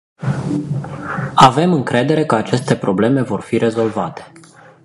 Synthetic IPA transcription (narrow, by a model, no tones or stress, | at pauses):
ave̞mɨŋkɾe̞d̪e̞ɾe̞kəat͡ʃe̞st̪e̞pɾo̞ble̞me̞vo̞rfiɾʔe̞zo̞lvat̪e̥